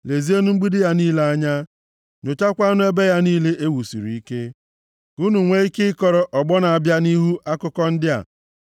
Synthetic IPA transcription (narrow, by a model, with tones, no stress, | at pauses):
le˨zi˦e˦nu˦ŋ͡m̩˦ɡ͡bi˦dɪ˦ja˦niː˦le˦a˦ɲa˦ | nʊ˨t͡ʃa˦kʷa˦nʊ˦e˦be˦ja˦niː˦le˦ʔe˦wu˨sḭ˨ɾḭ˨i˦ke˦ | u˦nu˨ŋʷe˦i˦kɪ˦ɪ˦kɔ˨ɾɔ˨ʔɔ˨ɡ͡bɔ˦na˨a˨bja˦ni˦ɦu˦ʔa˦kʊ˦kɔ˦n̩˦dɪ˦a̰˨